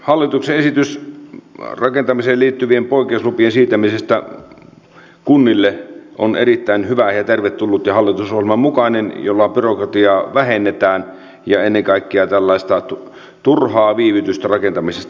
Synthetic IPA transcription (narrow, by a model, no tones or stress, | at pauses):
hɑlːit̪ukseesit̪ys | rɑkent̪ɑmiseːlliːt̪ːyʋiempoˑikˑeˑuslupiensiːt̪æmisest̪æ | kunːilːeʔonerit̪ːæˑinhyʋæjɑt̪erʋet̪t̪ːulːut̪jɑhɑlːit̪usohielmɑmukɑinenjolːɑpyrokrɑt̪iɑːʋæhenːet̪æːn | jɑenːeŋkɑˑikːiɑt̪ælːæˑist̪ɑ | t̪urhɑːʋiːʋit̪yst̪ærɑkent̪ɑmisest̪